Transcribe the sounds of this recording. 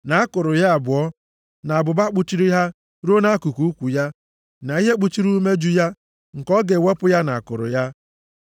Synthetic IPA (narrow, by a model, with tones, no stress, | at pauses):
na˨a˦kʊ˨ɾʊ˨ja˦a˨bʊ˨ɔ˦ | na˨a˨bʊ˨ba˦k͡pu˦t͡ʃi˦ɾi˦ɦa˦ | ɾo˦na˦ku˨ku˨u˦kʷu˨ja˦ | na˨i˦ɦe˦k͡pu˦t͡ʃi˦ɾu˦me˦d͡ʒu˦ja˦ | ŋ̩˨kɔ˦ɡe˨we˦pʊ˦ja˦na˨a˨kʊ˨ɾʊ̰˨ja˦